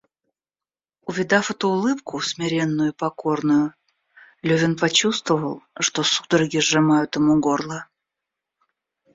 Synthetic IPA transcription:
ʊvʲɪd̪afɛt̪ʊːlˠɨpkʰʊsmʲɪɾʲenːʊjʊpɐko̞rnʊjʊ | lʲɵvʲɪnpɐt͡ɕust̪vəvəlˠʂt̪o̞su̥d̪əɾɐɡʲiʐɨmajʊt̪ɨmuɡorlˠə

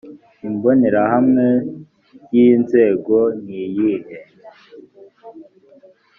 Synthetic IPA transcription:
imboneɾahamŋe | jinze̞ːɡoniːjihe

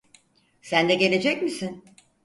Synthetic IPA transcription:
sænd̪ɛɟe̞lʲe̞d͡ʒɛcmisin

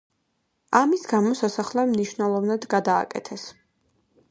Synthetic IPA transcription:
amisɡamɔsasaχlɛmniʃvnɛlˠɔvnad̪ɡad̪a̰ːkʼɛ̰t̪ʰɛs

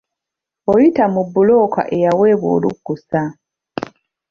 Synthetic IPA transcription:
ojitamubːulo̞ːka̰ʔe̞jawe̞βwo̰ːluɡːusa

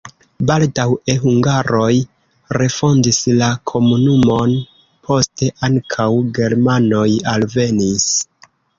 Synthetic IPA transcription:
baldawe̞ɦuŋɡaɾo̞j | ɾe̞fo̞ndislakʰo̞munumo̞n | pʰo̞ste̞ʔaŋkʰawɡe̞ɾmano̞jalve̞nis

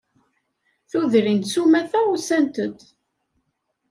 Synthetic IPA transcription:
θuðɾint̪sumæθæusænt̪əd̪

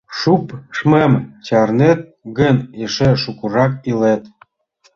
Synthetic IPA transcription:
ʃupʃmemt͡ɕɑrnet̪̚ɡə̆neʃĕʃukuɾɑkilet̪

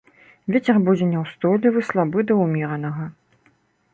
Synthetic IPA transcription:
vʲet͡sʲɛrbud͡zʲɛnʲɛwst̪ɔlʲivɨslˠabɨd̪ɐumʲiɾɐnɐɣɐ

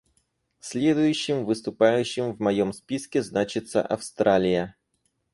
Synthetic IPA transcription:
sʲlʲe̞d̪ʊjʉɕːɪmvɨst̪ʊpajʉɕːɪmvmɐjomspʲiskʲɪznat͡ɕɪt̪sə̰ʔɐfst̪ɾalʲɪjə

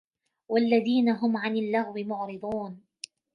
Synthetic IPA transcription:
walːaðiːnaɦʊmʕanalːaɣwɪmʊʕɾɨd̪ˤuːn

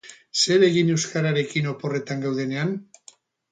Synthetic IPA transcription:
se̞ɾe̞ɣine̞wskaɾaɾe̞kino̞po̞re̞t̪aŋɡawðe̞ne̞an

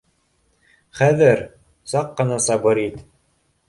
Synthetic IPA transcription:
χæðɘɾ | sɑqːɤ̆nɑsɑbɤɾit̪

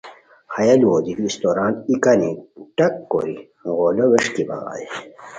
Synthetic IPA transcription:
hɐjɐlwoːd̪id̪iist̪oːɾaːnt̪ikɐniʈɐkːo̰ɾi | ɣoːloʋeʂkibɐ̰ɣa̰ːji

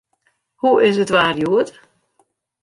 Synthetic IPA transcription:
huʔɪs̬ətʋaːrjuət

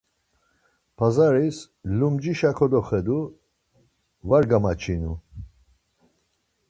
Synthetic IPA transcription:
pʰazaɾis | lumd͡ʒiʃakʰɔd̪ɔχɛd̪u | vaɾɡamat͡ʃʰinu

